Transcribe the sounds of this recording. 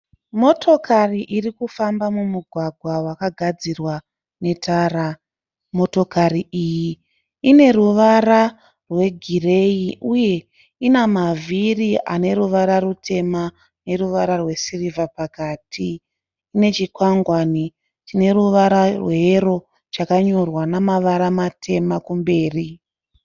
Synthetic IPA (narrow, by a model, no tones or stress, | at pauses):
mo̞tʰo̞kʰariʔirikufambamumuɡʱwaɡʱwawakaɡʱad͡zirwa | ne̞tʰaːɾa | mo̞to̞kariiji | ine̞ruʋaɾa | rwe̞ɡʱire̞jiʔuje̞ | inamaviriʔa̰ne̞ɾuʋaɾaɾutʰe̞ma | ne̞ruʋaɾarwe̞sirivapakaːtʰiː | ne̞t͡ʃikwaŋɡwani | tine̞ɾuʋaɾarweɾo̞ | t͡ʃakaɲo̞rwanamaʋaɾamatʰe̞makumbe̞ːri